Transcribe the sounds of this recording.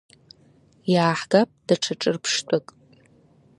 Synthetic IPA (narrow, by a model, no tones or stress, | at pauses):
jaːħɡapʼd̥aʈ͡ʂʰaʈ͡ʂʼɨrpʰʂtʷʼakʼ